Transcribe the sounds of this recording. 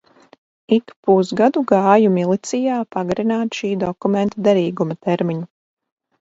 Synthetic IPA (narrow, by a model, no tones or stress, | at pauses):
ikpusɡad̪uɡaːjumilˠit̪sijaːpaɡaɾinaːt̪ʃiːd̪ɔkumɛnt̪ad̪ɛɾiːɡumat̪ɛɾmiɲu